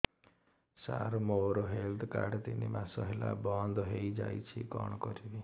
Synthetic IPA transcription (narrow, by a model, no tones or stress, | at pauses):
saɾmoɾoɦeld̪ʰkaɾɖt̪inimasɔɦelabɔnd̪ɦejd͡ʒajt͡ʃʰikɔɽ̃ɔkɔɾibi